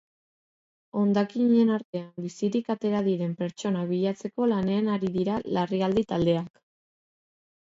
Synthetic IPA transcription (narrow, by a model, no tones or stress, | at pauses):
o̞nd̪akiɲe̞naɾt̪e̞ambisiɾikat̪e̞ɾaðiɾe̞mpe̞ɾt͡ʃo̞naβ̞iʎat͡se̞ko̞lane̞anaɾiðiɾalariald̪it̪ald̪e̞ak